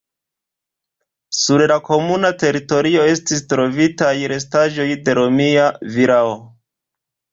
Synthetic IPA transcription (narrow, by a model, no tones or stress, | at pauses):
suɾlako̞munate̞ɾito̞ɾio̞e̞stis̬tɾo̞vitajɾe̞s̬taʒo̞jde̞ɾo̞miaviɾao